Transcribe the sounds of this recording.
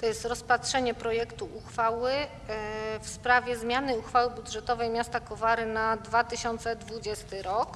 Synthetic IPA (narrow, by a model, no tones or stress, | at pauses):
t̪ɔjɛst̪ɾɔspat̪ʂɛɲɛpɾɔjɛkt̪uʔuxfawɘ | fspɾavʲjɛzmʲjanɘuxfawɘbud̪ʐɛt̪ɔvɛjmʲjast̪akɔvaɾɘnad̪vat̪ɘɕɔnt̪sɛd̪vud͡ʑɛst̪ɘɾɔk